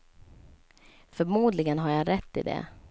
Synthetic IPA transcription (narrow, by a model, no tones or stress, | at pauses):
fœɾmuːd̪lɪɡənɦaɾjaɾɛt̪ːɪ̰d̪ɛ̰